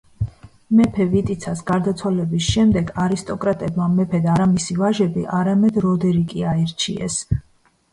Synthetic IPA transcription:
mɛpʰɛvit̪ʼit̪sʰasɡaɾd̪at̪sʰwalɛbisʃɛmd̪ɛɡaɾist̪ʼɔkʼɾat̪ʼɛbmamɛpʰɛd̪aɾamisivaʒɛbiʔaɾamɛd̪ɾɔd̪ɛɾikʼiaɛɾt͡ʃʰḭɛ̰s

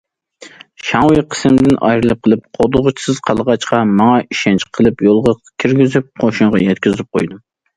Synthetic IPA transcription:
ʃɑŋwɨqʰə̥sɪmd̪ɪnɑ̰jɾɨlˠɨp̚qʰəlˠɨp̚qʰod̪ʊʁʊt͡ʃʰi̥sɪz̥qʰɑlˠʁɑt͡ʃqɑmɑŋɑiʃɛnt͡ʃʰqʰəlˠɨpjolˠʁɑkʲʰiɾɡʲizyp̚qʰoʃuɴʁɑ̰jɛt̪kʲyzɪp̚qʰo̰jd̪u

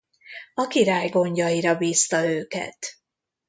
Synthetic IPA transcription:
ɒkiɾaːjɡo̞ɲɟɒjiɾɒbiːst̪ɒøːkɛ̰t̪

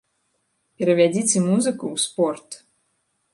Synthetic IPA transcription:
pʲɛɾɐvʲad͡zʲit͡sʲɪmuzɨkuːspɔrt̪

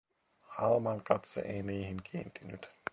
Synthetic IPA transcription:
hɑlmɑŋkɑt̪sḛʔejniːhiŋkʰiːnt̪inyt̪

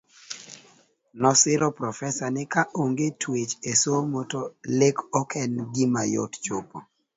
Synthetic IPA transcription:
nɔsɪɾɔpɾɔfɛsanɪkaʔoŋɡetʰwet͡ʃesomotolekɔkʰɛnɡɪmajɔ̰tt͡ʃopo

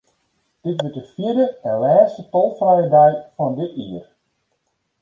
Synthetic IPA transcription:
d̥ɪtʋət̚dəfjiərdəɛnlɛːstətɔlˠfrɛjədɛjfɔndɪtiːər

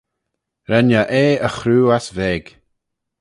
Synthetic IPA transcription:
ɾɛnəʔeːəxɾuːasveːɡ̥

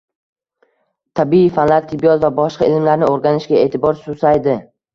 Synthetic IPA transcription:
t̪ʰabiifanlaɾt̪ʰɪbijɒt̪vabɒʃqɑɪlmlaɾnɪoɾɡʲanɪʃɡʲae̞ːt̪ʰɪbɒɾsʊsajd̪ɪ

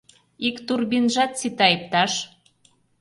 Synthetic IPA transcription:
ikt̪urbinʒɑt̪sit̪ɑip̚t̪ɑʃ

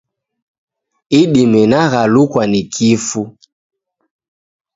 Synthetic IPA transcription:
iɗimɛnaɣalukwanikʰifu

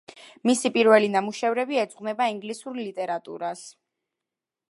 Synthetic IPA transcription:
misipʼiɾvɛlinamuʃɛvɾɛbiɛd̪zʼqʼnɛbaiŋɡlisuɾlit̪ʼɛɾat̪ʼṵɾas

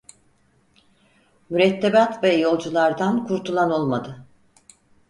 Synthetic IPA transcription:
myɾɛt̪ʰːebat̪vɛjo̞lˠd͡ʒulˠaɾd̪ankʰuɾt̪ʰulˠano̞lˠmad̪ɯ

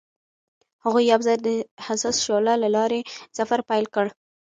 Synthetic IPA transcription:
haɣujawzajd̪əhasɑsʃolalalɑɾesafaɾpajlkəɽ

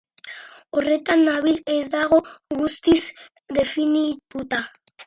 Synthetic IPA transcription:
ore̞t̪anːaβilezd̪aɣ̞o̞ɣust̪is | d̪e̞finit̪ut̪a

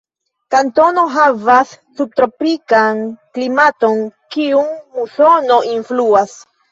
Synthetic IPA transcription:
kanto̞no̞ɦavasːub̚t̪ɾo̞pikanklimato̞nkiunmuso̞no̞ʔinfluas

